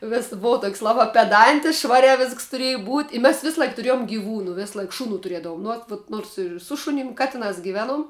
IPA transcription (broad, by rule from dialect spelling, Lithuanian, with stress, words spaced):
ˈʋʲɪs ˈboːʋɐ toːkʲsʲ ˈlˠɑːbɑː pʲɛˈdɐnʲtʲɪs ˈʃʋɑːrʲæː ˈʋʲɪsks tʊˈrʲeːjʊ buːtʲ ɪ mʲɛs ˈʋʲɪslˠɐɪk tʊˈrʲeːjoːm ɡʲɪˈʋuːnʊ ˈʋʲɪslˠɐɪk ˈʃʊˌnuː tʊˈrʲiɛdɐʋʊm nʊ ˈoːt ʋoːt ˈnoːrs ɪr ˈsʊ ʃʊnʲɪm ˈkɑːtʲɪˌnɑːs ɡʲɪˈʋʲæːˌnuɔm